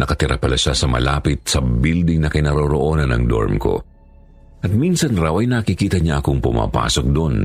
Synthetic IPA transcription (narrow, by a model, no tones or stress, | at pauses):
nɐkɐt̪ɪɾʔa̰pɐlaʃasɐmɐ̰laːpɪt̪̚sɐbild̪ɪŋnɐkɪnɐɾoɾoʔo̞ːnɐnɐ̰ŋd̪o̰ɹmko̞̰ | ʔɐt̪̚minsɐnɾawʔɐjnɐkikiːt̪ɐɲaʔɐkoŋpʊma̰ːpa̰ːsok̚d̪on